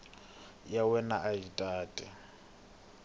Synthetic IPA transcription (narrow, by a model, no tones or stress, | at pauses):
jawɛnaʔaitʼaːtʼɛ